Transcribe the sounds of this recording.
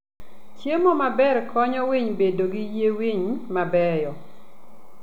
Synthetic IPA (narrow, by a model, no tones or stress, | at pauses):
t͡ʃjemomabɛɾkʰɔɲɔwiɲbedoɡijewiɲmabɛjɔ